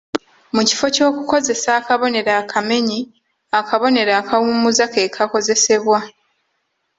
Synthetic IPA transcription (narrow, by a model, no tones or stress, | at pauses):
muci̥fo̞co̞ːkuko̞ze̞saːkaβo̞ne̞ɾakʰame̞ɲi | akʰaβo̞ne̞ɾaːkʰawumuzakeːkʰako̞ze̞se̞βwa